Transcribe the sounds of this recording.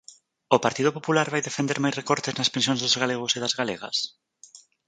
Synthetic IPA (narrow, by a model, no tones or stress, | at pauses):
opaɾt̪ið̞ʊpopulaɾβajðefend̪eɾmajsrekɔɾt̪eznɐspẽns̬jõnzðozɣaleɣ̞oseðazɣaleɣɐ̰s